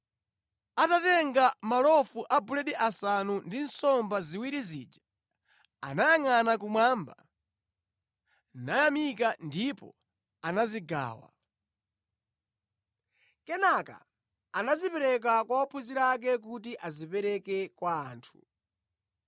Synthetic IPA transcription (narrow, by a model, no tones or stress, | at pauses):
atatɛŋɡamalɔfuʔabulɛɗiʔasanundin̩sɔmbaziwiɾizḭːd͡ʒa | a̰najaŋanak̬umwaːmba | najamik̬andipɔ̰ | anaziɡa̰ːwa̰ | kɛnaka̰ː | nazipɛɾɛk̬akwaɔpʰuziɾak̬ɛk̬utiʔazipɛɾɛkɛkwaːntʰu̥